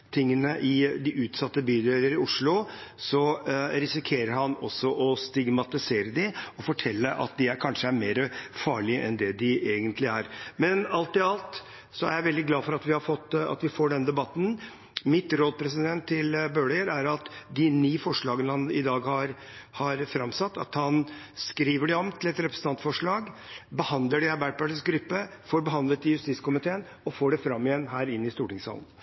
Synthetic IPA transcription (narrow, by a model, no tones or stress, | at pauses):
t̪ʰɪŋːənəʔɪd̪ɪʔʉːt̪sɑt̪ːəbyːd̪ɪələɾɪʊʂɭʊsɔɾɪsɪkʰeːɾəɾhɑnɔsːɔʔɔst̪ɪɡmɑt̪ɪseːɾəd̪ɪɔfɔʈʰɛlːəʔɑ̰t̪̚d̪ɪæɾkʰɑnʂəæɾmeːɾəfɑːɭɪəʔɛnd̪ɛd̪ɪʔeːɡənt̪ʰlɪæɾmɛnɑlt̪ɪɑlt̪ | sɔæɾjæɪʋɛld̪ɪɡlɑːfɔɾɑt̪ʋɪhɑɾfɔt̪ːɑ̰t̪ʋɪfoːɖɛnd̪ɛbɑt̪ːn̩ | mɪt̪ɾoːd̪pʰɾɛs̬ɪd̪ɛnt̪ʰːɪlbøːɭɛɡəɾæɾɑt̪d̪ɪniːfɔʂɭɑːɡənəhɑnɪd̪ɑːɡhɑɾ | hɑɾfɾɑmsɑt̪ːɑ̰t̪hɑn | skɾiːʋəɖɛɔmt̪ʰɪlɛt̪ɾɛpɾəsn̩ɑnt̪fɔʂɭɑːɡbəhɑnd̪ləɖɛɑɾbæːʈ̚pɑʈɪsɡɾʏpːəfoːɾbəɦɑnd̪lət̪ɪjʉst̪iːt̪skʊmɪt̪ʰeːən | ɔfoːɖɛfɾɑmːɪjɛnɦæːɾɪnːɪst̪uːʈɪŋsɑ̰lən̩